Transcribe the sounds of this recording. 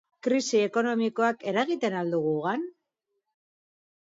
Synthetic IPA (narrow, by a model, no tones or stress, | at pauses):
kɾisie̞ko̞no̞miko̞ake̞ɾaɣit̪e̞nald̪uɣ̞uɣan